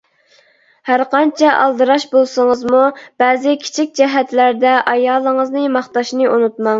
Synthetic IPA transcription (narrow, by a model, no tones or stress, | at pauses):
hæɾqɑnt͡ʃʰɛʔɑ̰lˠd̪ɨɾɑʃbolˠsəŋəzmub̥ɛːzɪkʲʰi̥t͡ʃʰik̚ʲd͡ʒɛɦɛt̪læɾd̪ɛʔɑjɑːlˠːəŋəznɨmɑχt̪ɑʃnɨʔunut̪̚mɑŋ